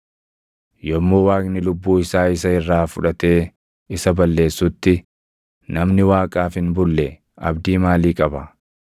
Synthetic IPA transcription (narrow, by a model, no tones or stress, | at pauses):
jɔmːo̞ːwaːknɪlʊbːuːɪsaːɪsɐɪrːaːfʊᶑɐt̪e̞ː | ɪsɐbɐlːe̞ːsːʊt̪ːɪ | nɐmnɪwaːkʼaːfɪnbʊlːɛ | ɐ̰bd̪iːmaːliːkʼɐbɐ